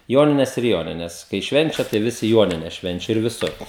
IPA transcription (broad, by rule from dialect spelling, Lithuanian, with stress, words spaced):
ˈjoːnʲɪnʲɛs ɪr ˈjoːnʲɪnʲɛs kɐɪ ˈʃʲʋʲɛnʲt͡ʃʲɛ tɐɪ ˈʋʲɪsʲɪ ˈjuɔnʲɪnʲɛs ˈʃʲʋʲɛnʲt͡ʃʲɛ ɪr ʋʲɪˈsʊr